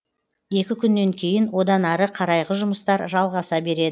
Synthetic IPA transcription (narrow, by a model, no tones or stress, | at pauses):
je̞kʲɪkʲʰʏnːe̞ŋkʲʰe̞jɪnwo̞d̪ɑnɑɾəqʰɑɾɑjʁəʒʊməst̪ɑɾʒɑlˠʁɑsɑbe̞ɾe̞d̪ɪ